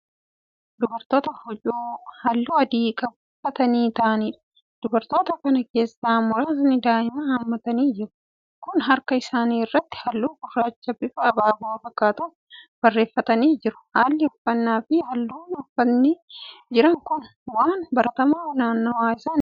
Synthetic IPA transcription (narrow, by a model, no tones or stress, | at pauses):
d̪ʊbɐɾt̪o̞ːt̪ɐhʊt͡ʃʼuːhɐlːuːɐd̪iːkʼɐbʊfːɐt̪ɐniːt̪ɐʔɐniːᶑɐ̥ | d̪̥ʊbɐɾt̪o̞ːt̪ɐkɐnɐke̞ːsːaːmɔɾaːznɪd̪aːɪmɐɐmːɐt̪ɐniːd͡ʒɪɾʊ̥ | kʊnɦɐɾkɐɪsaːniːrːɐt̪ːɪ̥hɐlːuːbʊrːaːt͡ʃːɐbɪfʊɐbaːbɔɐfɐkːaːt̪ʊ | b̥ɐrːe̞ːfːɐt̪ɐniːd͡ʒɪɾʊ̥haːlːɪʊfːɐnːaːfɪhɐlːuːnʊfɐnːɪd͡ʒɪɾɐŋkʊn | waːnbɐɾɐt̪ɐmaːnaːnːɐwaːɪsaːn